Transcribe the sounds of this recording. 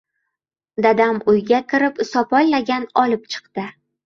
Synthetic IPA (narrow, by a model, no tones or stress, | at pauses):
d̪ad̪amʊjɡʲakʰʲɪɾɪpɪsɒpʰɒllaɡʲanɒlɪp̚t͡ʃʰɨ̥q̚d̪ɪ